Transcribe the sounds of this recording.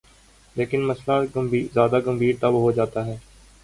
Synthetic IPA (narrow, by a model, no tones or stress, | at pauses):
leːkɪnmɐslaɡɐmbʱiːzjaːd̪aɡɐ̃mbʱiːɖt̪ɐbɦod͡ʒaːt̪aɦɛː